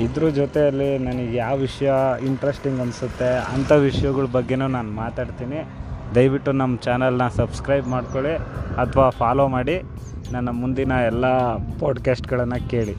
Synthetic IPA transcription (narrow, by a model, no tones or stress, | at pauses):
id̪ɾud͡ʒot̪eɐlːinɐnɐɡjaːʋʋiʂɐjɐiɳʈɾesʈiŋɡɐnsut̪ːe̞ɐnt̪ʰɐʋiʂɐjɐɡɐɭɐbɐɡːe̞nuːnaːnmaːt̪aːɖt̪iːnid̪ɐjʋiʈːunɐmːɐt͡ʃaːnɐlnɐsɐbskɾɐjbmaːɖkoɭiɐt̪ʰʋaːpʰaːloːmaːɽi | nɐnːɐmund̪inɐɛlːapaːɖkaːsʈɡɐɭɐnːɐke̞ːɭi